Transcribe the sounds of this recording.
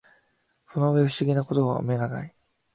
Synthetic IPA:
sonoβeɯ̟̥ɕiɡʲinako̞t̪o̞βa̰o̰me̞ɡana̰i

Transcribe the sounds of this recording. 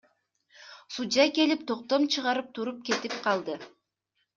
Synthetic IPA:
sud͡ʒɑjke̞lip̚t̪ʰo̞q̚t̪o̞mt͡ʃʰɯʁɑɾɯp̚t̪ʰuɾup̚ke̞t̪ip̚qʰɑlˠd̪ɯ

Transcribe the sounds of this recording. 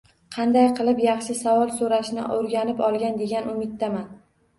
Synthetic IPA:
qʰɑnd̪ajqʰɨlˠɪpjɑχʃɪsavɒlˠsoɾaʃnɪ̰oɾɡʲanɪpɒlˠɡʲand̪e̞ɡʲanʊmɪt̪ːaman

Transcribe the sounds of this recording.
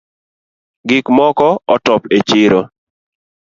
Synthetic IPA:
ɡɪkmɔkɔɔtɔpet͡ʃɪɾo

